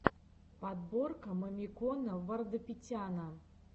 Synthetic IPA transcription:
pad̪borkɐməmʲikɔnɐvɐrd̪ɨpʲit͡sʲanɐ

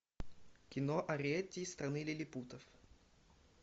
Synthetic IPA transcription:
kʲɪnoʔɐɾʲet̪ʲːiːst̪ɾɐnɨlʲɪlʲɪput̪əf

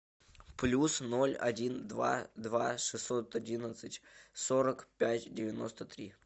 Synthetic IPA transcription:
plʲusno̞lʲɐ̰dʲind̪va̰d̪vaʂɨsːo̞t̪adʲinət̪sɨtʲsoɾəkpʲætʲdʲɪvʲɪno̞̰st̪ət̪ɾʲi

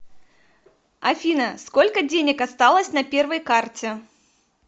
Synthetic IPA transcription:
ɐfʲinɐskolʲkədʲenʲɪkɐst̪alˠəsʲnɐpʲɛrvəjkartʲɪ

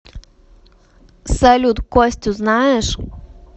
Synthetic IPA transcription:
sɛlʲud̪kɔsʲt̪ʲuznaɛʃ

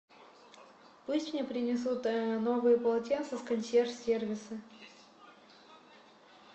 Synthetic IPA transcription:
pusʲtʲmnʲepɾʲɪnʲɪs̬ut̪novɨjəpəlˠɐtʲent̪səskɐnʲsʲerfsʲervʲɪsɨ

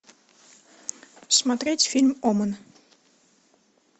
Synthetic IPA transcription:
smɑt̪retʲfilʲmɔmən

